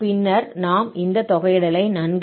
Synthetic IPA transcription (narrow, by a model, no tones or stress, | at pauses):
pɪnːɐɾnaːmɪnd̪ɐt̪ɔɣɐjɽɐlɐɪnɐnɡ